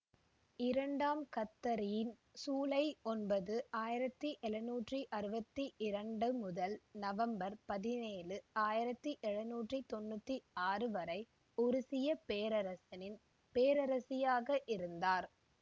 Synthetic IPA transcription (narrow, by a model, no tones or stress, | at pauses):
ɪɾɐɳɖaːmkɐt̪ːɐɾɪjɪn | suːlɐɪɔnbɐðɯaːjɪɾɐt̪ːiʔɛlɐnuːʈriʔɐɾɯbɐt̪ːiʔɪɾɐɳɖɯmʊðɐlnɐʋɐmbɐɾpɐðɪneːlɯaːjɪɾɐt̪ːiʔɛɻɐnuːʈrit̪ɔnːɯt̪ːiaːrɯʋɐɾɐɪ | ʊɾʊsɪjɐpeːɾɐɾɐsɐnɪn | peːɾɐɾɐsɪjaːɣɐʔɪɾɯnd̪aːɾ